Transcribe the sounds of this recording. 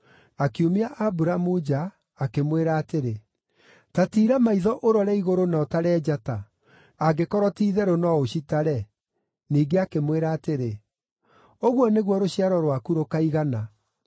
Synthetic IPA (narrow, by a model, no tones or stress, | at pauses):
akiumeaʔabuɾamud͡ʑaː | kemweɾaːteɾe | tatiːɾamaiðɔʔoɾɔɾɛiɣoɾonaɔtaɾɛːd͡ʑata | aɡekɔɾɔtiːðɛɾonɔoɕitaɾɛ | niːɡeakemweɾaːteɾe | oɣwɔneɣwɔɾoɕiaɾɔɾwakuɾokaiɣana